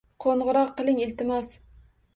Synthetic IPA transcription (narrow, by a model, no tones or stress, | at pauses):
qʰoɴʁʊɾɒqːɨlˠɪŋɪlt̪ɪmas